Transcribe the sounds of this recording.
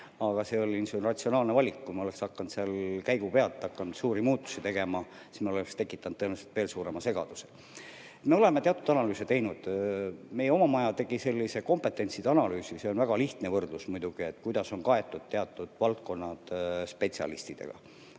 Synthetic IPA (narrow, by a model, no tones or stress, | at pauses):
ɑɡ̥ɑse̞o̞lʲːinsunrɑt̪ʲsio̞nɑːlnevɑlʲikkujmo̞le̞ksɑkːɑnt̪seɑlkæjɡ̥upe̞ɑlt̪ːˑɑkːɑnd̪suːɾimuːt̪ːˑu̥sit̪e̞ɡe̞mɑ | si̥smeolekst̪e̞kːˑit̪ːˑɑnd̪ɤnvɑselt̪ve̞ːlsuːɾe̞mɑse̞ɡ̥ɑ̰d̪̥use | et̪me̞o̞le̞met̪e̞ɑt̪ːˑud̪̥ɑnɑlyːset̪e̞jnud̪̥me̞jeo̞mɑmɑjɑt̪e̞ɡ̥ise̞lʲːise̞ko̞mpe̞t̪ːˑe̞nʲt̪sid̪ɑnɑlyːsise̞o̞nvæɡ̥ɑliht̪nevɤrd̪̥lusmujd̪̥uɡ̥ie̞t̪ːˑkujd̪ɑso̞nkɑe̞t̪ːˑud̪̥̚t̪ːe̞ɑt̪ːˑud̪̥vɑlt̪̚ko̞nːɑd̪̥spe̞t̪siɑ̰lḭst̪id̪̥ḛɡ̥ɑ̰